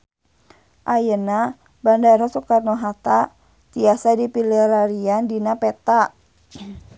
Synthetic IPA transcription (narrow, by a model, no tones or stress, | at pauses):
ʔajəna | bandaɾɔsɔkarnɔɦat̪a | t̪iasadipiliɾaɾiandinapɛt̪a